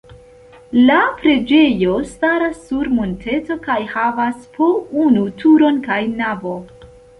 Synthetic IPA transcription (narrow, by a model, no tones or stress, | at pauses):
lapɾe̞d͡ʒe̞jo̞staɾasːuɾmontʰe̞to̞kajhavaspounutʰuɾo̞nkajnavo̞